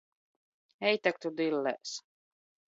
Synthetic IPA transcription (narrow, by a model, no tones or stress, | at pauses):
ɛjt̪æk̚t̪ud̪ilːɛ̰ʔs